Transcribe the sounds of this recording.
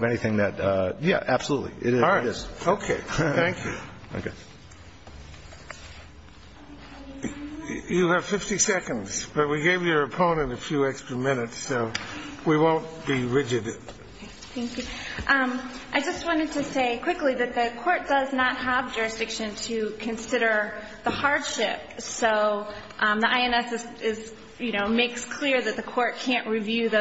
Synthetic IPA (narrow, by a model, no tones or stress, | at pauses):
vɛñiθɪ̃ŋðɨtʌjæ̰ʔæb̥səlutˡlḭʔɪ̰ɾɪðɪsoʊkʰeɪθæ̃ŋkʰjʉ̰o̰ʊkʰeɪ | jɨːv̥fɪftisɛkɨ̃ndz̥b̥ʌt̚wiɡeɪvjə˞ɨpʰõʊ̃nɨ̃ntɨfjʉɛkstɹ̥əmɪnɨtsːoʊwiwõʊ̃n̚b̥iɹɪd͡ʒɨd | θæ̃ŋkjʉʔʔaɪd͡ʒʌst̚wɑ̃ɾ̃ɨd̚tʰɨseɪkʰw̥ɪkliðɨt̪̚ðɨkʰɔɹt̚d̥ʌznət̚həvd͡ʒʊɹɨsd̥ɪkʃɨ̃ntʰɨkʰɨ̃nsɪɾə˞ | ðəhɑɹd̥ʃɪp̚soʊ | ʔmðiʔaɪɛ̃nɛsɨzɪz | jɨñoʊmeɪkskʰl̥ɪɹðɨt̪̚ðɨkʰɔɹt̚kʰæ̃nʔɹivjʉð